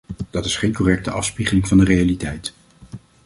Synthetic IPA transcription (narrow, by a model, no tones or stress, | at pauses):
d̥ɑtɪsχejnkɔrɛk̚təʔɑfspiχəlɪŋvɑndərejalitɛjt